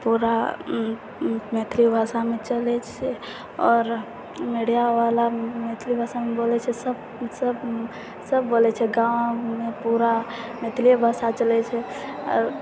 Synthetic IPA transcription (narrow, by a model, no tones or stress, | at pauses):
puɾa | met̪ʰɾibʱasamet͡ʃəlɛt͡ʃʰɛ | ɔːɾ | meɽijaʋalamet̪ʰɾibʱasamebolɛt͡ʃʰɛsəb | səb | səbːolɛt͡ʃʰɛɡãwmepuɾamet̪ɾiebʱasat͡ʃəlɛt͡ʃʰɛɔ̰ɾ